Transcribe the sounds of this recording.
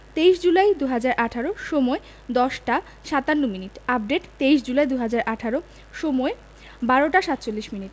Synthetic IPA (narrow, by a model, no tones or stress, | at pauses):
t̪ejʃd͡ʑulajd̪uɦad͡ʑaɾʔaʈʰaɾoʃɔmoe | d̪ɔʃʈa | ʃat̪anːominiʈap̚ɖeʈt̪eiʃd͡ʑulajd̪uɦad͡ʑaɾʔaʈʰaɾo | ʃɔmɔe | baɾoʈaʃat̪ːt͡ɕolːiʃminiʈ